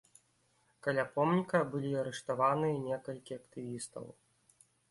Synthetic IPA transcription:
kalʲapɔmnʲikɐbɨlʲiɐɾɛʂt̪avanɨjɐnʲɛkɐlʲkʲiɐkt̪ɨvʲist̪ɐ̰w

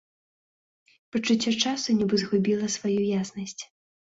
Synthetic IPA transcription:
pɐt͡ʂut͡sʲːɔt͡ʂasunʲibɨzɣubʲilˠɐsvajujaznɐsʲt͡sʲ

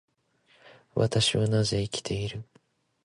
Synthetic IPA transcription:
βa̰t̪aɕiβanaze̞ikʲi̥t̪ʰe̞iɾɯ̟

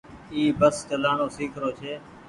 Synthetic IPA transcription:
iːbəst͡ʃəlaːɳoːsiːkʰɾoːt͡ʃʰeː

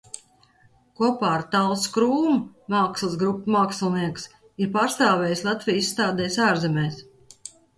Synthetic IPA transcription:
kuɔpaːɾt̪alˠskɾuːmumaːkslˠɨsɡɾupːmaːkslˠniɛks | iɾpaːɾst̪aːvɛːjslˠat̪vʲijisːt̪aːd̪ɛːjsaːɾzɛmʲɛːs

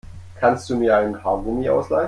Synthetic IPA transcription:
kʰanstd̥uːmiːɐaɪnhaɐɡumiʔa̰ʊslaɪ

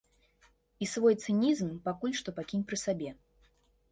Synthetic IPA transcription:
isvɔjt̪sɨnʲizmpakulʲʂt̪ɔpakʲinʲpɾɨsabʲɛ

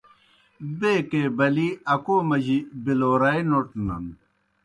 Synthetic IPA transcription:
beːkeːbɐliɐkoːmɐʑibiloːɾajnoʈnɐ̰n

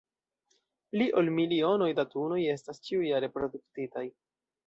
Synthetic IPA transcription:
liʔo̞lmilio̞no̞jdatuno̞je̞stast͡ʃiujaɾe̞pɾo̞duk̚titaj

